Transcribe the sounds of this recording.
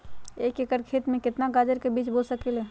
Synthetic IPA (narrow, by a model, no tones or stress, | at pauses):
eːkekəɾkʰeːt̪mẽkɪt̪naɡaːd͡ʒəɾkebiːt͡ʃboːlsəkele